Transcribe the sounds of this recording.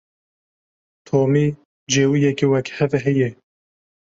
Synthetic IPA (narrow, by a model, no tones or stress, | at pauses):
t̪ʰoːmi | d͡ʒeːwijɛkiwɛkhɛvɛɦɛjɛ